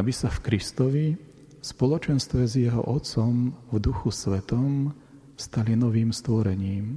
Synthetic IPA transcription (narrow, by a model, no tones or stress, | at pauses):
abisafkɾist̪ɔʋi | spɔlɔt͡ʃɛnst̪ʋɛzjɛɦɔ̰ʔɔt̪t͡sɔmvd̪uxusʋɛt̪ɔm | fst̪alinɔʋiːmst̪ʋɔɾɛɲiːm